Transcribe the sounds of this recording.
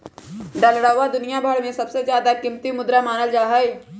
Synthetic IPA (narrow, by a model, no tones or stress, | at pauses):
ɖɐlɽaːad̪ʊnijabʱəɽmẽsɐbsezjaːd̪akɪmt̪imʊd̪ɾamaːnəld͡ʒaːɦɐj